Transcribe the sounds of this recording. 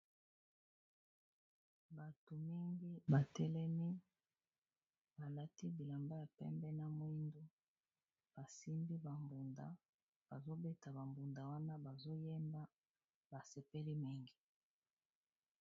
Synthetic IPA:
ba˨tu˨mi˦ŋɡi˦ba˨tɛ˦lɛ˦mi˦ | ba˨la˦ti˦bi˨la˨mba˦ja˨pɛ̰˦mbɛ˦na˦mwi˦ndo˦ | b̥a˨si˦mbi˦ba˨mbu˨nda̰˦ | b̥a˨zo˦be˦ta˨ba˨mbu˨nda˨wa˦na˦ba˨zo˦jɛ˦mba˦ | ba˨sɛ˨pɛ˦li˦mi˦ŋɡi˨

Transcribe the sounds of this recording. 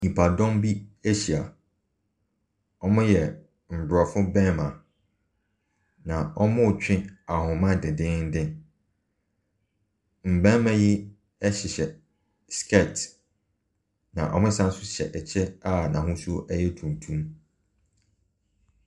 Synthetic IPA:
nĩ˨pʰa˨dɔ̃˦mbi˦e˦ɕi˨a˨ | ɔ˦mʊ̃˦jɛ˨ | m̩˨bʊ˨ɾɔ˨fʊ˦bɛ̃˦mã˨ | nã˨ɔ˦mʊ̃˦˨t͡ɕᶣɪ̃˦a˨hʊ̃˨mã˦dɪ˨dɪ̃˦n̩˦dɪ̃˦ | m̩˨bɛ̃˦mã˦ji˦ | ɛ˦ɕɪ˨ɕɛ˨ | skʰɛ˦˨t | nã̰˨ʔɔ̰˨mʊ̃˦sã˦n˦sʊ˦ɕɛ̰˨ʔɛ˨t͡ɕʰɛ˦a˦nã̰˨ɦʊ̃˦su˦o˦ʔɛ˦jɛ˦tʰũ˨n˨tʰũ˦m

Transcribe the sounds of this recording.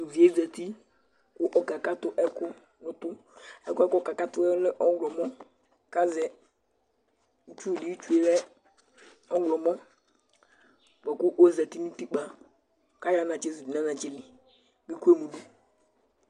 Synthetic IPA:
nu˨vi˨e˦zɛ˨ti˦ | kʊ˦ʔɔ˨ka˨ka˦tʊ˦ʔɛ˦kʊ˦ | nʊ˨tʊ˦ɛ˦kʊ˦ɛ˦kɔ˦˨ka˨ka˦tʊ˦ɛ˦lɪ˦ʔɔ˦wlɔ˨mɔ˦ | ka˦zɛ˨ | u˦t͡ʃu˦˨li˦i˦t͡ʃu˦e˦wɛ˦ | ɔ˦ɡlɔ˨mɔ˦ | k͡pɔ˨kʊ˦ʔo˦zɛ˨ti˦nĩ˦ti˦k͡pa˨ | ka˦ja˦nã˨d͡ʒe˦su˨di˨nã˦nã˨d͡ʒɪ˦lɪ˨ | ɡi˦ku˦e˦mu˨lu˦

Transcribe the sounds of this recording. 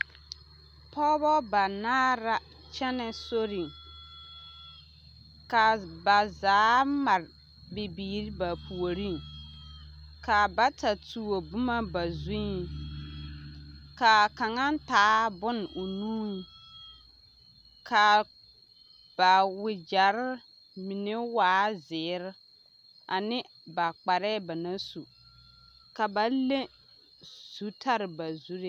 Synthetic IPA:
pʰɔː˦bɔ˦ba˨naː˦ɾa˦ | t͡ʃɛ˦nɛ˨so˦ɾi˨ŋ | ka˨ba˨zaː˨˦ma˨ɾ | bɪ˨biː˨ɾi˦ba˨pʰu˨o˨ɾi˦˨ŋ | ka˨ba˦ta˨tu˨o˨bʊ˦ma˦ba˨zĩ˦ | ka˨ka˨ŋa˦n˦taː˨˦bʊ˦n˨ʊ˨nũː˦ | kʰa˨ | b̥a˨wɪ˨d͡ʒa˨ɾɪ˦ | mi˨ne˦waː˨˦zɪː˨˦ɾɪ˦ | a˨nɪ˦ | ba˨k͡pa˨ɾɛ˦ba˨na˦su˨ | ka˨ba˨le˦ | su˨tʰa˦ɾɪ˨ba˨zu˦ɾe˦

